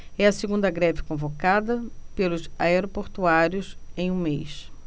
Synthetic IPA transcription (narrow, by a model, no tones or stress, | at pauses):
ɛɐseɡũnd̪ɐɡɾɛvɪkõvokad̪ɐpelʊsaeɾopoɾt̪uaɾjʊsẽj̃ũmḛjs